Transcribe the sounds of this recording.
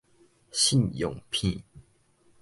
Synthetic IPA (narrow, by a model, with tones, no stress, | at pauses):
ɕi˥˨njo̰˨ŋpʰi˥˨